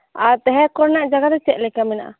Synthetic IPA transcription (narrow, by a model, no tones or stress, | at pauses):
aɾt̪ɛɦɛ̃kɔɾnaʔd͡ʒaɡat̪ɛt͡ʃɛt̪̚lɛkamina̰ʔa̰